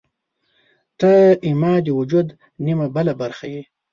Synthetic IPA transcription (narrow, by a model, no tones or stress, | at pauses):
t̪aimɑːd̪iwʊd͡ʒud̪ | nimabəlabaɾxaji